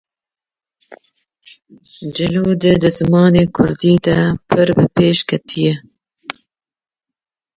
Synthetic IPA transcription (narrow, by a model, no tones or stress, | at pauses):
d͡ʒɨluːd̪ɨd̪ɨzɨmɑːneːkʰʊɾd̪iːd̪ɐpʰɨɾbɨpʰeːʃkʰɛt̪ʰijɛ